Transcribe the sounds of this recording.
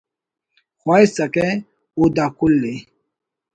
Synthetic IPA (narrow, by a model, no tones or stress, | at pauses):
xajsakɛ | odakulːe